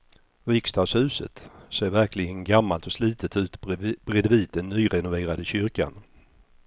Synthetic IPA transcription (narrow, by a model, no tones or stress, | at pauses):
ɾɪkst̪ɑːd̪shʉ̟ːsə̰t̪seːɾvæɾkʰlɪɡənɡamːalt̪ɔsliːt̪ʰət̪ʰʉ̟ːt̪b̥ɾɛd̪viːt̪̚d̪ənːyːɾɛnʊveːɾad̪əɕʏɾka̰n